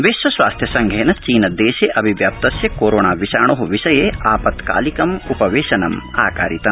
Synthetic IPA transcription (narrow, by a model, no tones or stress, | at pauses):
ʋesʃʋɐsʋaːst̪ʰjɐsɐŋɡʱeːnɐt͡ʃiːnɐd̪eːʃeʔɐbʱiʋjaːp̚t̪ɐsjɐkoːɾoːɳaːʋiʃaːɳoɦuʋiʃɐjeːʔaːpɐt̪ka̰ːlikɐmupɐʋeːʃɐnɐma̰ːkaːɾit̪ɐm